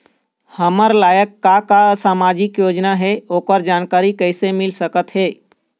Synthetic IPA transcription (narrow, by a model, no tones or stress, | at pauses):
həməɾlaːjəkːakasaːmad͡ʒɪkjoːd͡ʒnaɦɛoːkəɾd͡ʒaːnkaːɾikəɪsemɪlsəkət̪ɦɛː